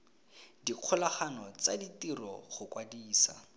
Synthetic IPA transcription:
diq͡χʰʊlaχanɔt͡saditirɔ̰χʊkwadiːsa̰

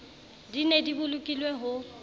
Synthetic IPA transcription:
dinedibʊlʊkʼilweɦʊ

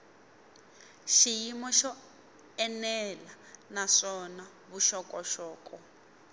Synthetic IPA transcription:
ʃijimɔʃɔ | ɛnɛla | naʂɔna | βuʃɔkʼɔʃɔːkʼɔ

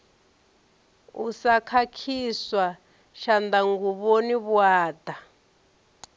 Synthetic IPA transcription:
ṵsakʰakʰiswa | ʃandaŋɡuβoniβwaːda

